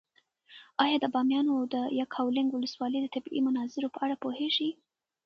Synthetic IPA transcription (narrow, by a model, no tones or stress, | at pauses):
ɑjɑd̪əbɑmjɑnoawd̪əjɑkʰhawlɪŋɡwʊləswɑləjd̪ət̪abḭmʊnɑzɪɾopəaɽapoheʒi